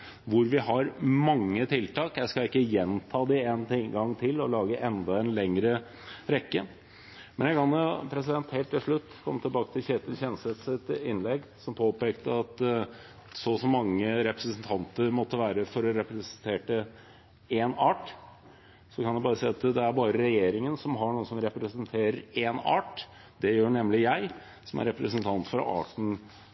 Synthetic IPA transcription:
ʋʊɾʋɪhɑɾmɑŋːət̪ʰɪlt̪ʰɑːkjæɪskɑɪkːəjɛnt̪ʰɑːd̪ɪeːnɡɑŋːt̪ʰɪlːɔlɑːɡəʔɛnd̪ɑɛnlɛŋɾə | ɾɛkːə | mɛnjæɪkɑnjʊpʰɾɛs̬ɪd̪ɛnt̪heːlt̪ːɪlʂɭʉt̪ːkʰɔmt̪ʰɪlbɑːkət̪ʰɪlçeːt̪əçɛnslet̪sɪt̪ɪnlɛɡsɔmpʰoːpeːkt̪əɑt̪ | sɔsɔmːɑŋːəɾɛpɾəsənt̪ʰɑnt̪əɾmɔt̪ːəʋæːɾəfɔɾɔɾɛpɾəsənt̪ʰeːʈə | enɑːʈ | sɔkʰɑnjæbɑːɾəsæɪːɑt̪d̪ɛæɾbɑːɾəɾɛjeːɾɪŋənsɔmɦɑɳuːəsɔmɾɛpɾəsənt̪ʰeːɾəɾeːnɑ̰ːʈ | d̪̥ɛjøːɳɛmlɪjæɪ | sɔmæ̰ɾɛpɾəsənt̪ʰɑnt̪fɾɑ̰ʔɑ̰ːʈn̩

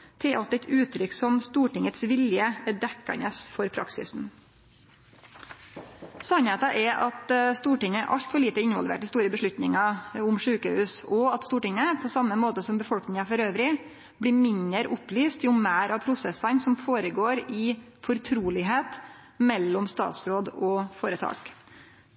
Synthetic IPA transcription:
t̪ʰɪlʔɑt̪ɛt̪ʰʉːt̪ʰɾʏksɔmst̪uːʈɪŋət̪sʋɪljəæɖɛkːɑ̰nəsfɔɾpʰɾɑ̰ksɪ̰sn̩ | sɑnheːt̪ɑʔɛʔɑt̪st̪uːʈɪŋːəʔɑ̰ʎt̪fɔɭiːt̪əɪnʋɑ̰lʋḛːʈ̪ɪst̪uːɾəbəʂɭʉt̪nɪŋɑʊmʂʉːkəhʉːsɔɑt̪st̪uːʈɪŋəpʰɔsɑmːəmoːt̪əsɔmbəfɔlknɪŋɑfɔɾøːʋɾɪ | bliːmɪnəɾʔʊpliːst̪jʊmæːɾʔɑʋpʰɾʊsɛsɑnsɔmfoːɾəɡoːɾɪ | fɔɾt̪ʰɾuːlɪɦeːt̪ | mɛlːɔmst̪ɑ̰ːt̪sɾoːd̪ɔfoːɾət̪ʰɑ̰ːk

